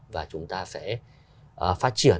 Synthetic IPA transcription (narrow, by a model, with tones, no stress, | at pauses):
vaː˨˩t͡ɕʊ˨˦ŋ͡mt̪aː˧fɛ̰˧˥˩ | ʔfaː˦˥t̚t͡ɕi˧˩ə